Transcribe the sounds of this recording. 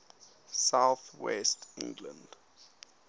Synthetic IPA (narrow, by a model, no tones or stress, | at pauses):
sawθwɛ̰stɪ̰̃ŋɡlə̰̃nd